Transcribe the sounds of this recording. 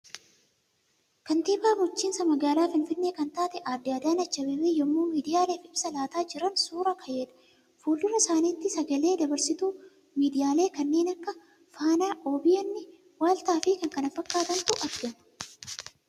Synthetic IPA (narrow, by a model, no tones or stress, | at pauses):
kɐnt̪iːpaːmʊt͡ʃːiːnsɐmɐɡaːlaːfɪnfɪnːeːkɐnt̪aːt̪ɛʔaːd̪ːaːd̪aːnɐt͡ʃːɐbɛbeːjɔmːuːmiːd̪ɪjaːleːfɪbsɐlaːt̪aːd͡ʒɪɾɐnsuːɾɐkʰɐjeːᶑɐ̥ | fuːlːʊɾɐsaːniːt̪ːɪsɐɡɐle̞ːd̪ɐbɐɾsɪt̪uː | miːd̪ɪjaːle̞ːkɐnːe̞ːnɐkːɐ | faːnaːʔoːbɪjɐnːɪ | waːlt̪aːfɪkɐŋkɐnɐfːɐkːaːt̪ɐnt̪ʊʔɐɾɡɐmɐ̥